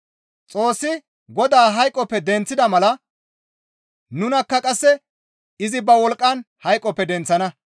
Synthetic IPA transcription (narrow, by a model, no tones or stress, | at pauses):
t͡sʼo̞ːsːɪ | ɡɔd̪aːɦɐjkʼːɔpːɛd̪ɛnt͡sːɪd̪ɐmɐlɐ | nʊnɐkːɐkʼɐsːɛ | ɪzɪbɐwɔlkʼːɐnhɐjkʼːɔpːɛd̪ɛnt͡sːɐnɐ